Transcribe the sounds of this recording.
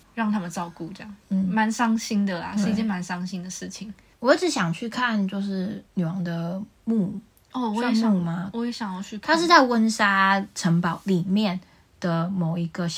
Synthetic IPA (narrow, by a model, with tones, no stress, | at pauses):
ɻɑ˥˩ŋt̪ʰa˥mə˨nt͡sɑ˥˧ʊku˥˧˨ʈ͡ʂɤ˥˧jɑ˥˩ŋn̩˥˩ma˧˦nsɑ˥ŋɕi˥nd̪ə˨la̰˩ʂɻ̩˥˧i˧t͡ɕjɛ˥˩nma˧˦nsɑ˥ŋɕi˦nd̪ə˨ʂɻ̩˥˩t͡ɕʰi˨˩ŋ | wɔ˨˦i˥ʈ͡ʂɻ̩˨˥ɕjɑ˨˩ŋt͡ɕʰy˥˧kʰa˥˨nt͡ɕjo˥˧ʊʂ̬ɻ̩˥˩ny˨˩wɑ˧˥ŋd̪ə˨mu˥˧ | ɔ˥˩wɔ˨˦˥u˥˩ma˦wɔ˧˥je˧˥ɕjɑ˨˩ŋjɑ˥˧ʊt͡ɕʰy˥˧k̪ʰa˥ʂ̬ɻ̩˥˧t͡sa˥˩ɪwə˦nʂa˥ʈ͡ʂʰə˧˥ŋpɑ˨˦ʊli˨˩mjɛ˥˨˩n | d̪̥ə˨mo˨˩ʊi˧˦ɡə˧ɕ